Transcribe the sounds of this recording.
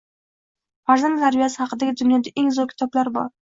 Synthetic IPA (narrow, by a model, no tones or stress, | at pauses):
faɾzanlaɾvijasɪhɑqɨd̪aɡʲɪd̪ʊnjɒd̪aʔeŋzɒkʲʰɪ̥t̪ʰɒblaɾbɒ̰ɾ